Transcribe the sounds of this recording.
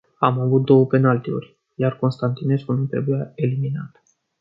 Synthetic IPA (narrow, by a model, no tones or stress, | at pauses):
amavut̪̚d̪o̞wəpe̞nalt̪eo̰rʲ | jarko̞nst̪ant̪ine̞skunut̪ɾe̞bujae̞liminat̪